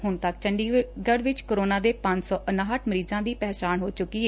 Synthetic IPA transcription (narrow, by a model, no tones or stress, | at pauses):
ɦʊnt̪əkt͡ʃəɳɖiːɡəɽʋɪt͡ʃkəɾoːnaːd̪eːpə̃ɲd͡ʒsɔːʔənaːɦəʈʰməɾiːzãːd̪iːpɛːt͡ʃaːnɦoːt͡ʃʊkːiːɛː